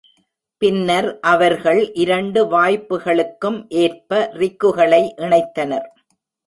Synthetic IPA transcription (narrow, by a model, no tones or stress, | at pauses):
pɪnːɐɾʔɐʋɐɾɣɐɭʔɪɾɐɳɖɯʋaːjpːɯɣɐɭɯkːɯmʔeːrpɐrɪkːɯɣɐɭɐɪʔɪɳɐɪt̪ːɐnɐɾ